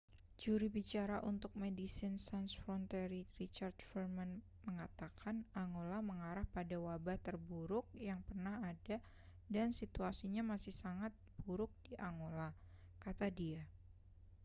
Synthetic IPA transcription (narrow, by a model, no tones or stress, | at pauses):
d͡ʒuɾibit͡ʃaɾaʔunt̪ʊk̚medisɪnsansfɾɔnt̪eɾirit͡ʃard̪fərman | məŋat̪akʰanaŋolaməŋaɾahpadawabaht̪ərbuɾʊk̚jaŋpərnahada | dansit̪uasiɲamasɪhsaŋat̪̚b̥uɾʊk̚d̥iʔaŋola | kat̪adia